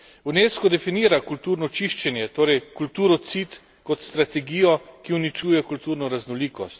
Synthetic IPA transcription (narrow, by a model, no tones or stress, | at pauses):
uneːskɔd̪ɛfiniːɾakult̪uːɾnɔt͡ʃiʃt͡ʃɛnjɛt̪oːɾɛjkult̪uːɾɔt̪sit̪ | kɔt̪st̪ɾat̪ɛɡiːjɔkiunit͡ʃuːjɛkult̪uɾnɔɾaznɔliːkɔ̰st̪